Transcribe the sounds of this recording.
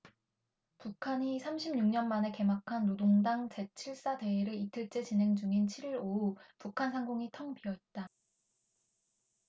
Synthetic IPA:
pukʰaɲisʰamɕʰimɲuŋɲʌnmane̞ke̞makʰanːodoŋdaŋt͡ɕe̞t͡ɕʰiɭs͈ade̞iɾɯitʰɯɭt͡ɕ͈e̞t͡ɕinɦe̞ŋd͡ʑuŋint͡ɕʰiɾiɾoupukʰansʰaŋɡoŋitʰʌŋpʰiʌet̚t͈a

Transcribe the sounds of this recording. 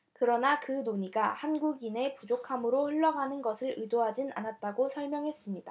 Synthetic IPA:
kɯɾʌnakɯnoɲiɡahanɡuɡine̞pud͡ʑokʰamɯɾoɸɯɭːʌɡanɯnɡʌsʰɯɾɯdoɦad͡ʑina̰nat̚t͈aɡosʰʌɭmjʌŋɦe̞s͈ɯmɲida

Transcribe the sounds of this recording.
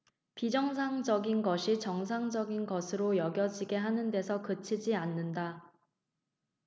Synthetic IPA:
pid͡ʑʌŋs̬ʰaŋd͡ʑʌɡinɡʌɕʰit͡ɕʌŋs̬ʰaŋd͡ʑʌɡinɡʌsʰɯɾojʌɡjʌd͡ʑiɡe̞ɦanɯnde̞sʰʌkɯt͡ɕʰid͡ʑianːɯnda

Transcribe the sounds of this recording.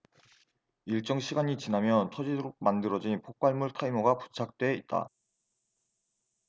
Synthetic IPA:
iɭt͡ɕ͈ʌŋɕʰiɡaɲit͡ɕinamjʌntʰʌd͡ʑidoɾoɡ̚mandɯɾʌd͡ʑinpʰok̚k͈aɭmuɭtʰaimoɡapu̥t͡ɕʰak̚t͈we̞it̚t͈a̰

